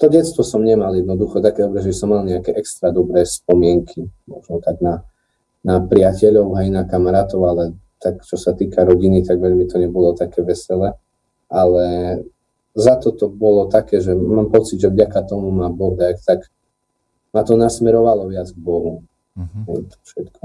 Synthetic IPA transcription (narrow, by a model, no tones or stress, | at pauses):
t̪ɔɟɛt̪st̪ʋɔsɔmɲɛmaljɛd̪̚nɔd̪uxɔt̪akɛd̪ɔbɾɛʒɛbisɔmːalɲɛakɛʔɛkst̪ɾad̪ɔbɾɛːspɔmɪɛŋkʰimɔ̰ʒnɔt̪aɡna | napɾɪacɛʎɔʊɦainakamaɾaːt̪ɔʊalɛ | t̪akt͡ʃɔsat̪iːkʰaɾɔɟinit̪aɡʋɛʎmit̪ɔɲɛbɔlɔt̪akɛːʋɛsɛlɛ | ʔalɛ | zat̪ɔt̪ɔbɔlɔt̪akɛːʒɛmaːmpɔt͡sid̪ʒɛvɟakat̪ɔmumabɔɦd̪ajkt̪aɡ | mat̪ɔnasmɛɾɔʋalɔʋɪad͡zɡbɔɦu | ɛt̪ɔ̥fʃɛt̪kʰɔ